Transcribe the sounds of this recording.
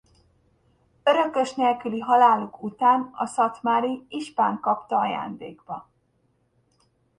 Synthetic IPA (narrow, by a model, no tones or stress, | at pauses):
ø̞ɾø̞kø̞ʃneːlkyliɦɒlaːlukut̪aːnɒ̰sɒt̪maːɾiiʃpaːŋkɒpt̪ɒɒja̰ːnd̪eːɡbɒ